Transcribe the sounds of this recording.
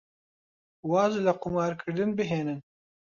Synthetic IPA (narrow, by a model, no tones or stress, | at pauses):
wɑːzlɐqʊmɑːɾkʰɨɾd̪ɨnbɨɦeːnɨn